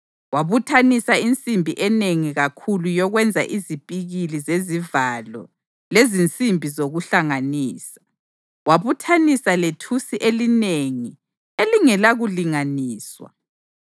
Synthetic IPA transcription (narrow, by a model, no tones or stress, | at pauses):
waβutʰanisaint͡sʼimbʱiʔɛneŋiɣakʰulujɔɣwɛnd͡zʱa̰ʔizipʼiɣilizezivalɔ̰ | lezint͡sʼimbʱizoɣuɬaŋaniːsḁ | waβutʰanisaletʰusiʔelineŋi | eliŋɛlaɣuliŋaniːswa̰